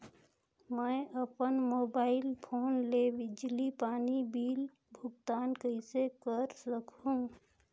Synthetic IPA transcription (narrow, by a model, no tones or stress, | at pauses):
məɪəpənmoːbaːɪlpʰoːnlebɪd͡ʒlipaːnibiːl | bʱʊɡt̪aːnkəɪsekəɾsəkɦũ